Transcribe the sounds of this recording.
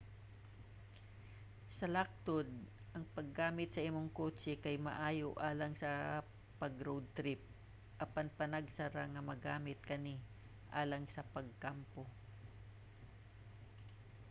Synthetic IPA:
sɐlak̚t̪od̪̚ | ʔɐŋpɐɡaːmɪt̪̚sɐʔimoŋkot͡ʃɛkɐjmɐ̰ʔaːjoʔaːlɐŋsɐ | pɐɡɾowd̪̚t̪ɾɪp̚ | ʔɐpanpɐnɐɡsɐɾaŋɐmɐɡaːmɪt̪̚kɐni | ʔa̰ːlɐŋsɐpɐɡ̚kampo

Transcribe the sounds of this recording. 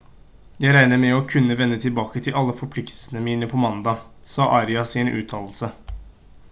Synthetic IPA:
jæɪɾæɪnəmɛɔkʰʉnːəʋɛnːət̪ʰɪlbɑːkət̪ʰɪlʔɑlːəfɔɾpʰlɪkt̪ʰəlsən̩əmiːnəpʰɔmɑnd̪ɑː | sɑːʔɑɾɪɑsɪnʔʉ̰ːt̪ʰɑːll̩sə

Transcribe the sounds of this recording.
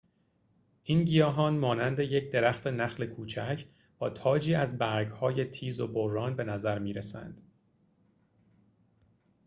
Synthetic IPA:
ʔiːnɟijɒːɦɒːnmɒːnænd̪e̞jecʰd̪e̞ɾæxt̪ʰe̞næxle̞kʰuːt͡ʃʰæcʰ | b̥ɒːt̪ʰɒːd͡ʒiːæzbæɾɡhɒːje̞t̪ʰiːzo̞borːɒːnbe̞næzæɾmiːɾesæ̰nd̪̥

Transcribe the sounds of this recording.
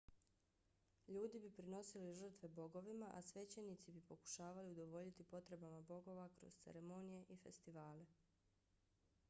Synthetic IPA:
ʎuːd̪ibipɾino̞siliʒ̩r̩t̪ʋe̞bo̞ɡo̞ʋimaʔasʋe̞t͡ɕenit̪sibipo̞ku̥ʃaːʋaliud̪o̞ʋo̞ʎit̪ipo̞t̪ɾe̞bamabo̞ɡo̞ʋakɾo̞̰z̥t̪seɾe̞mo̞nije̞ʔife̞̰st̪iʋaːle̞

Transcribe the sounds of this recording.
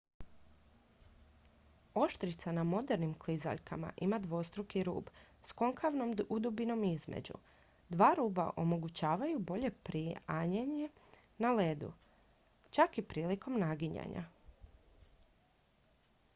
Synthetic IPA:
o̞ʃt̪ɾit̪sanamo̞d̪e̞ɾnimkliza̰ʎkama̰ʔimad̪ʋo̞st̪ɾukiɾṵːb | sko̞ŋkʰaʋno̞mud̪ubino̞mizmḛd͡ʑṵ | d̪ʋaːɾuːba̰ʔo̞mo̞ɡut͡ɕaːʋajubo̞ʎe̞pɾiaɲeɲe̞ | naled̪ṵ | t͡ʃakipɾiːliko̞mnaɡiɲa̰ɲa̰

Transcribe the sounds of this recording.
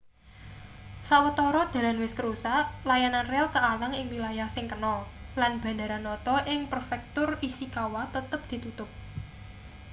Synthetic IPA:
sawət̪ɔɾɔd̪̥ä̤lanwɪskəɾusaʔlajananrɛlk̪əalaŋɪŋwilajahsɪŋkənɔlanb̥a̤nda̤ɾanːɔt̪ɔʔɪŋpərfɛk̚t̪ʊrisikawat̪ət̪əp̚d̪̥i̤t̪ut̪ʊp̚

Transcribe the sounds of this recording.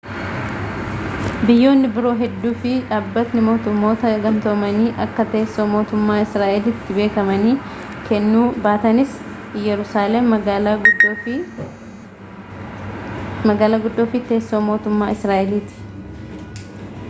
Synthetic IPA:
bɪjːo̞ːnːɪbɪɾo̞ːɦɛd̪ːuːfɪᶑaːbːɐt̪nɪmo̞ːt̪ʊmːo̞ːt̪ɐɡɐnt̪omɐniːʔɐkːɐt̪eːsːo̞ːmo̞ːt̪ʊmːaːɪsɾaːʔɛlɪt̪ːɪbe̞ːkɐmɐniːkɛnːuːbaːt̪ɐnɪs | jɛɾʊsaːlɛmɐ | mɐɡaːlaːɡʊd̪ːoːfɪt̪e̞ːsːo̞ːmo̞ːt̪ʊmːaːɪsɾaːʔɛliːt̪ɪ̥

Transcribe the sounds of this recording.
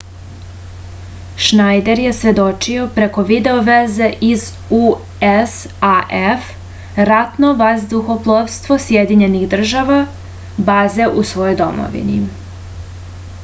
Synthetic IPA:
ʃnajd̪e̞ɾje̞sʋe̞d̪o̞t͡ʃio̞pɾe̞ko̞ʋid̪e̞oʋezeʔiz | u | es | aʔef | ɾat̪no̞ʋazd̪uxo̞plˠovst̪ʋo̞sjed̪iɲe̞niɣd̪r̩ʒaʋa | baːze̞ʔusʋo̞jo̞jd̪o̞̰mo̰ʋḭni

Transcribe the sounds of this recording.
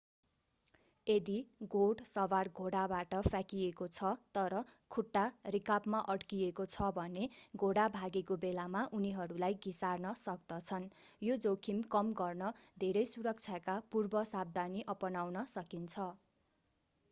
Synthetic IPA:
ed̪iɡoɽsʌbarɡʱoɽabaʈʌpʰjakijekot͡sʰʌt̪ʌɾʌkʰuʈːarikabmaʔʌɽkijekot͡sʰʌbʱʌneɡʱoɽabʱaɡekobelamaʔuniɦʌɾulajɡisarnʌsʌk̚d̪ʌt͡sʰʌnjod͡zokʰimkʌmɡʌrnʌd̪ʱeɾʌjsuɾʌk̚t͡sʰjakapurbʌsab̚d̪aniʔʌpʌnawnʌsʌkint͡sʰʌ

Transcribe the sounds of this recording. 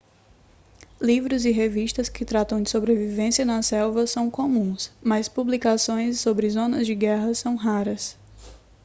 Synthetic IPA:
livɾʊzɪɦeviʃt̪ɐskɪt̪ɾat̪ɐ̃w̃d͡ʒɪsobɾevivẽsijɐnɐsɛwvɐsɐ̃w̃kõmũsmɐspublikasõj̃sːobɾɪzõnɐzd͡ʒɪɡɛɦɐsɐ̃w̃ɦaɾɐs

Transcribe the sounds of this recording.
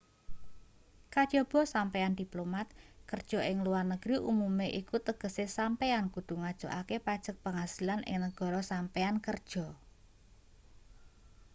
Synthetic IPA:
kad̥ʒ̥ɔb̥ɔ̤sampeand̪̥iplomat̪̚kərd̥ʒ̥ɔ̤ʔɪŋluarnəɡ̥ɾiʔumumeʔikut̪əɡ̥ə̤sesampeankud̪̥ṳŋad̥ʒ̥ɔ̤ʔakepad̥ʒ̥ə̤k̚pəŋasilanʔɪ̰ŋnəɡ̥ɔ̤ɾɔsampeankərd̥ʒ̥ɔ̤

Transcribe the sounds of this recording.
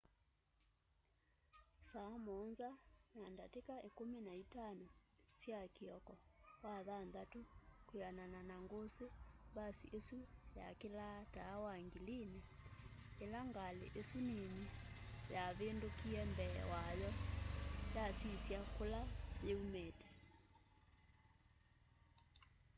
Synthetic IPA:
saːmɔnzanandatekaekuminaitanɔsjakiɔkɔwaðanðatukujanananaŋɡosebasiʔesuja̰kelataːwaŋɡiline | elaŋɡalḛʔesunemijaβendokiɛmbɛ̰wajɔ | jasisjakolajeumɛtɛ̥

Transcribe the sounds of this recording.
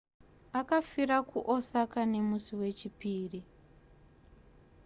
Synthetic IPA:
akafirakuʔosakane̞musiwe̞t͡ʃipiːri

